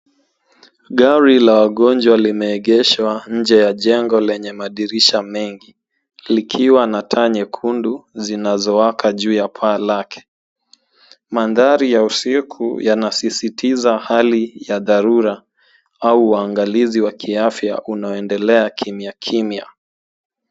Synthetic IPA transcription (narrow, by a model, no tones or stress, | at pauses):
ɠaɾilawaɠɔnd͡ʒwalimɛːɠɛʃwaɲ̩d͡ʒɛjaʄɛŋɡɔlɛɲɛmaɗiɾiʃamɛŋɡi | likʰiwanatʰaɲɛkʰunduzinazɔwakʰaʄuːjapʰaːlakʰɛ̥ | manðaɾijausikʰṵjanasisitʰizahalijaðaɾuɾa | auwaːŋɡaliziwakʰiafja̰ʔunaɔɛndɛlɛakʰimiakʰimja̰